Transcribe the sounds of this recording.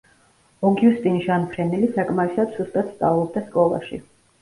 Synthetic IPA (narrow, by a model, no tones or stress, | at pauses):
ɔɡjust̪ʼinʒanpʰɾɛnɛlisakʼmaisad̪z̥ust̪ʼat̪st̪sʼavlˠɔb̚d̪askʼɔlˠa̰ʃḭ